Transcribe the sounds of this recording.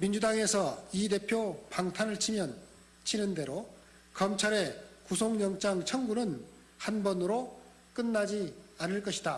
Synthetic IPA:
mind͡ʑudaŋe̞sʰʌide̞pʰjopaŋtʰanɯɭt͡ɕʰimjʌn | t͡ɕʰinɯnde̞ɾo | kʌmt͡ɕʰaɾe̞kusʰoŋɲjʌŋt͡ɕ͈aŋt͡ɕʰʌŋɡunɯn | hanbʌnɯɾo | k͈ɯnːad͡ʑianɯɭk͈ʌɕʰida

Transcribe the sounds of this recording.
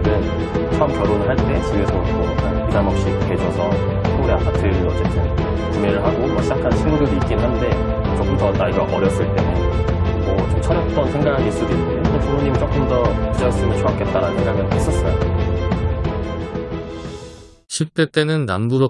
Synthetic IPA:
dɯn | t͡ɕʰoamkjʌɾonɦaɭt͈e̞s͈ʰɯuesʰʌmo | isʰamʌp̚ɕ͈ike̞d͡ʑʰʌsʰʌ | uɾeapʰak̚t͈ʰeɾɯnʌt͡ɕ͈etʰe | kimeɾɯɭɦaɡomwʌɕʰid͡ʑakʰant͡ɕʰinɡudɯɾiik͈̚inɯnɦande̞ | t͡ɕ͈ok͈ɯmdʌnaɭɡaʔʌɾjʌs͈ɯɭt͈e̞nɯ | mwʌt͡ɕomt͡ɕʰʌɾjʌk̚t͈ʌnsʰe̞ŋɡaaɡees͈uduis͈ɯenetunoɲimit͡ɕ͈ok͈ɯmdʌid͡ʑaes͈ɯmjʌnt͡ɕʰoak͈̚e̞t͈aɾannsʰeŋɡaɡɯnhes͈ʌs͈ʌjo̰ | ɕʰip̚t͈e̞t͈e̞nɯnːa̰nbuɾʌ

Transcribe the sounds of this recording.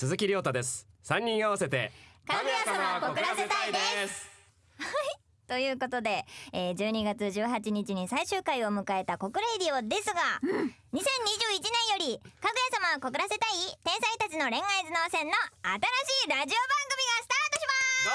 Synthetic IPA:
sɨzɨkʲiɾʲo̞ːt̪ad̪e̞sɨ̥sãɲ̟ːĩɰ̃aβase̞t̪e̞̰kaɡɯjasamakokɯɾaset̪aid̪es | hai | t̪o̞jɯ̟ːko̞t̪o̞d̪e̞eːd͡ʑɨːɲ̟iɡat͡sɨʑɨːɦat͡ɕiɲ̟it͡ɕiɲ̟isaiɕɨːkaio̞mɯ̟kae̞t̪ako̞kɯ̟ɾe̞ɾʲio̞d̪e̞sɨɡaɲ̟isẽ̞ɲ̟ːiʑɨːit͡ɕinẽ̞ɰ̃jo̞ɾʲikaɡɯ̟jasamaoko̞kɯ̟ɾase̞t̪ait̪ẽɰ̃sãit̪at͡ɕino̞ɾẽ̞ŋaizɨno̞ːsẽ̞nːo̞at̪aɾaɕiːɾaʑio̞bãŋɡɯ̟mʲiɡasɨ̥t̪aːt̪o̞ɕima

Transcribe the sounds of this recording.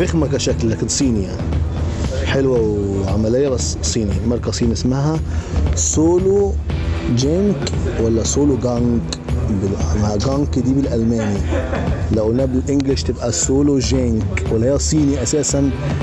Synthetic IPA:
fɪxmakaʃaklːakɪnsˤiːnija̰ni | ħɪlwawʕamalɪjːabas | sˤiːnimɑɾˤkasˤiːnɪsmaɦasoːlu | d͡ʒaŋkwalːasoːluɡaŋk | bɪlmaʕɡaŋkd̪iːbɪlʔalmaːni | lawnabɪlʔɪŋɡlɪʃt̪ɪbʔasoːlod͡ʒaŋkwalːahaːasˤiːniʔasaːsan

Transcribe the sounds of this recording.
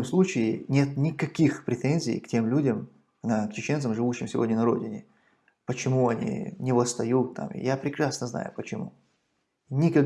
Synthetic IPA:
mslˠut͡ɕɪɪnʲe̞t̪nʲɪkɐkʲixpɾʲɪt̪enʲzʲɪ̰jktʲe̞mlʲudʲəm | nɐkt͡ɕɪt͡ɕe̞nt̪səmʐɨvuɕːɪmsʲɪvodʲnʲənɐɾo̞̰dʲɪnʲɪ | pət͡ɕɪmuɐnʲḭnʲɪvəst̪ɐjut̪ːa̰mḭjapɾʲɪkɾasnəzna̰jʊ̰pət͡ɕɪmṵ | nʲɪkɐ

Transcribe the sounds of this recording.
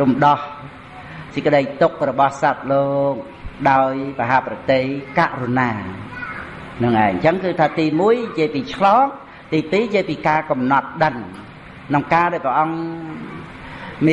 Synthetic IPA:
rumɗɑh | sikəɗəjt̪uk̚rɔɓɑhsap̚loːk̚ | ɗaɔjpaɦaːprɑt̪ehkaʔrunaː | nɨŋʔaɛŋt͡ɕəŋkɨːt̪ʰaːt̪iːmuəjjəjpiːt͡ɕʰlɑːŋ | t̪iːpiːjəjpiːkaːkɑmnɑt̪̚ɗəŋ | nɨŋkaːɗaɛɔjprəʔɑŋ | mi

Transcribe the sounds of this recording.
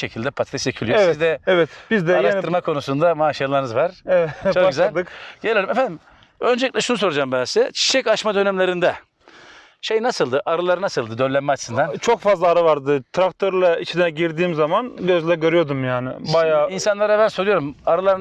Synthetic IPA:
ʃe̞cʰilʲd̪ɛpʰat̪ʰɛsecʰilʲijosizd̪ɛɛvɛt̪bizd̪ɛaɾaʃt̪ʰɯɾmakʰo̞nusund̪amaːʃialˠaɾnɯzvaɾ̥ɛɛt͡ʃokɟyzælʲd̪ɯkɟ̥elʲijɾimefænd̪im | ø̞nd͡ʒeiclʲɛʃunus̬o̞ɾud͡ʒambɛsɛt͡ʃʰi̥ʃɛcaʃmad̪ønɛmlʲe̞ɾind̪ɛ | ʃejnasɯlˠd̪ɯʔaɾɯlˠaɾɯnasɯlˠd̪ɯd̪ølʲænmɛat͡ʃʰɯ̥sɯnd̪ant͡ʃʰo̞kfazlˠaːɾɯvaɾd̪ɯt̪ʰɾak̚t̪ʰoɾlˠait͡ʃʰinɛɟiɾd̪iːmzamanɟøzlʲɛɾɟø̞ɾyjo̞d̪umjaːnɪ̰bajaːinsanlˠaɾabænso̞ɾujo̞ɾumaɾɯlˠaɾɯn

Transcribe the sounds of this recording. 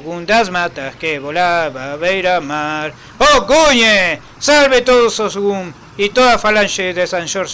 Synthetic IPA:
ɣund̪asmat̪akeβolaβaβejɾamaɾ | okuɲe | salβet̪oðososɡum | it̪oðafalanʃeðesanʃoɾs

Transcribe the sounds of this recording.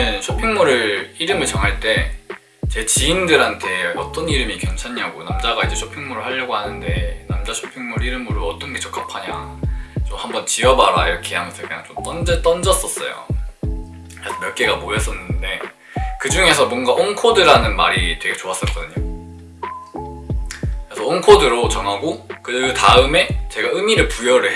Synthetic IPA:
ɯnɕʰopʰiŋmuɾɯɾiɾɯmɯɭt͡ɕʌŋɦaɭt͈e̞ | t͡ɕe̞t͡ɕiindɯɾɦantʰe̞ʌt͈ʌniɾɯmikjʌnt͡ɕʰaɲɦaɡonamd͡ʑaɡaid͡ʑe̞t͡ɕʰopʰiŋmuɾɯɭhaʎːʌɡohanɯnde̞namd͡ʑat͡ɕʰopʰiŋmuɾɯɭiɾɯmuɾoʌt͈ʌnɡe̞t͡ɕʌk͈ʰapʰaɲaŋt͡ɕomhambʌnt͡ɕiʌbaɾa̰iɾʌkʰeɦamʌnsʰʌkɯɲa̰ŋt͡ɕomt͈ʌnd͡ʑet͈ʌnd͡ʑʌs͈ʌs͈ʌ̰jo̰ | kɾesʰʌmjʌɭk͈e̞ɡamojʌs͈ʌnːɯnde̞ | kɯd͡ʑuŋe̞sʰʌmwʌnɡaʔoŋkʰodɯɾanɯnmaɾitwe̞ɡe̞t͡ɕoas͈ʌk͈ʌdɯɲo | kɯɾesʰʌoŋkʰodɯɾot͡ɕʌŋɦaɡokɯtaɯme̞t͡ɕe̞ɡaɯmiɾɯɭpujʌɾɯɭ

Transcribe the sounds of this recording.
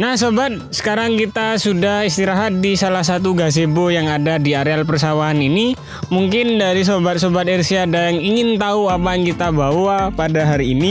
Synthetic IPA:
nahsobat̪̚sə̥kaɾaŋkit̪asudahist̪iɾaɦat̪̚disalahsat̪uɡas̬ebojaŋadadiaɾealpərsawaːnini | muŋkɪndaɾis̬obat̪̚sobat̪̚ɛrsiadaŋiŋɪnt̪auapajaŋkit̪abawapadaɦaɾiːni

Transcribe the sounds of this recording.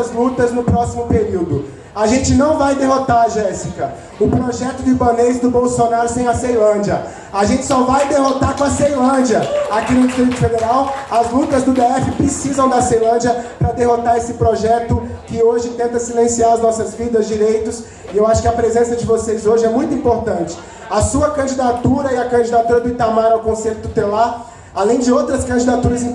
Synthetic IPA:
ɐzlut̪ɐznʊpɾɔsimʊpeɾiwd̪ʊ | aʒẽnt͡ʃɪnɐ̃w̃vajd̪eɦot̪aɾɐʒɛsikɐ | ʊpɾoʒɛt̪ʊd̪ʊibɐ̃nejzd̪ʊbowsonaɾʊsẽj̃ɐsejlɐ̃d͡ʒɐ | aʒẽnt͡ʃɪ̥sɔvajd̪eɦot̪aɾkõɐsejlɐ̃d͡ʒiɐakinʊd͡ʒist̪ɾit̪ʊfed̪eɾawɐzlut̪ɐzd̪ʊd̪eɛfɪpɾɪsizɐ̃w̃d̪ɐsejlɐ̃d͡ʒɐpɾɐd̪eɦot̪aɾesɪpɾoʒɛt̪ʊ | kɪoʒɪĩt̪ẽnt̪ɐsilẽsiaɾɐznɔsɐzvid̪ɐzd͡ʒiɾejt̪ʊs | ɪewaʃʊ̥kɪɐpɾezẽsɐd͡ʒɪvosejzoʒɪɛmũj̃t̪ʊĩpoɾt̪ɐ̃t͡ʃɪ̥ | ɐsuɐkɐ̃d͡ʒid̪at̪uɾɐɪɐkɐ̃d͡ʒid̪at̪uɾɐd̪ʊɪt̪amaɾawkõseʎʊt̪ut̪elaɾ | alẽj̃d͡ʒɪowt̪ɾɐskɐ̃d͡ʒid̪at̪uɾɐzĩ

